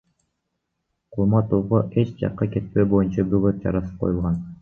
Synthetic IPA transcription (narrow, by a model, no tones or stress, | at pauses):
qʰulˠmɑt̪uʁoʔet͡ʃd͡ʒɑ̰qːɑke̞t̪̚pe̞bo̞junt͡ʃɑbyɡøt̪̚d͡ʒɑ̰ɾɑsɯ̥p̚qʰo̰julˠʁɑn